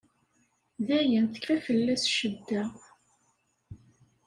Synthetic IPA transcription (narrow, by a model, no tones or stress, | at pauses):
ðæjənθə̥kfæfəlːæsʃəd̪ːæ